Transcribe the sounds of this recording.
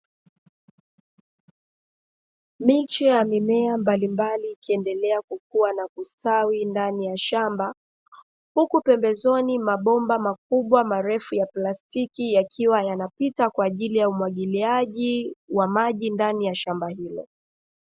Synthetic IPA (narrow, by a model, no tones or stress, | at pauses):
mit͡ʃɛjamimɛambalimbaliːkiɛndɛlɛakuk̚uwanakustawindanijaʃamba | hukupɛmbɛzɔnimaɓɔmbamak̚uɓwamaɾɛfujaplastikijakʰiwajanapitakwaːʄilijaumwaɠiliaʄiwamaʄindanijaʃambahilɔ̰